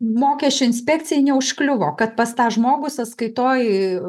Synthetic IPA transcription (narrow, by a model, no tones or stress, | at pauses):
moːkʲɛsʲt͡ʃʲʊɪnʲsʲpʲɛːk̚t͡s̪ʲɪjɛnʲɛʊʃklʲʊʋoːkɐt̪̚pɐst̪ɑːʒmoːɡʊsɐt̪skɐɪt̪oːj